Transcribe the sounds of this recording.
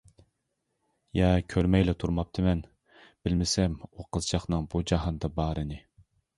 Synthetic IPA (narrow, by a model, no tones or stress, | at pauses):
jɛkʲʰøɾmɛjlɛt̪ʰuɾmɑp̚t̪ʰɨmɛn | b̥ɪlmɪsɛmoqʰəzt͡ʃʰɑχnɨŋbud͡ʒɑɦɑnd̪ɑbɑːɾɨnɨ